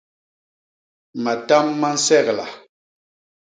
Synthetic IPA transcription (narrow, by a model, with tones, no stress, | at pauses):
ma˨ta˦mːa˦n̩˦sɛ˦˨kla̰˨